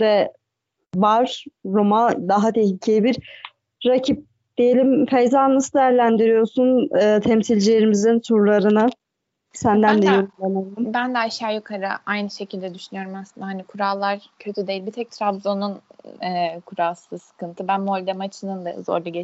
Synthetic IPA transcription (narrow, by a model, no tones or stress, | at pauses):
d̪ɛ | vaɾ̥ːomad̪aɦat̪ʰehlʲicʰejibiɾː | acʰip̚ | d̪̥ijelʲimfejzanˠɯsɯd̪ɛjæɾlʲænd̪iɾijo̞sunɯːt̪ʰɛmsilʲd͡ʒilʲeɾimizinsuɾlˠaɾɯnɯ | sænd̪ænd̪ɛjoɾʲˠemaumbænd̪ɛaʃaːjukʰaɾɯ̰ʔajnɯʃe̞cʰilʲd̪ɛd̪yʃynyjoɾumaslˠɯnd̪aɦanikʰuɾalˠːaɾcʰøt̪ʰyd̪ejilʲbit̪ʰɛc̚t̪ʰɾabzo̞nunɛkʰuɾalˠsɯsɯ̥kʰɯnt̪ʰɯbænmolʲd̪ɛmat͡ʃʰɯnɯnd̪a̰zo̰ɾlˠuɟe